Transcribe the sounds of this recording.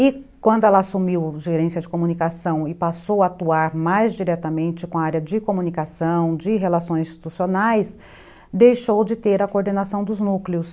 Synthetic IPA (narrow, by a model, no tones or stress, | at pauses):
ɪkwɐ̃nd̪ʊɛlɐasumiwʒeɾẽsjɐd͡ʒɪkomunikasɐ̃w̃ɪpasowaat̪uaɾmajzd͡ʒiɾɛt̪ɐmẽnt͡ʃɪkõaaɾjɐd͡ʒɪkomunikasɐ̃w̃d͡ʒɪɦelasõj̃zĩst͡ʃi̥t̪usionajs | d̪ejʃowd͡ʒɪt̪eɾɐkoɾd̪enasɐ̃w̃d̪ʊznukleʊs